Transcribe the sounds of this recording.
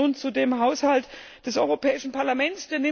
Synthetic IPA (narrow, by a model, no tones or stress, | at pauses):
unt͡sudeːmɦaʊshalt | d̥ɛsʔɔʏʁopʰɛːɪʃn̩pʰaɐlamɛnt͡sd̥eːɐnɪ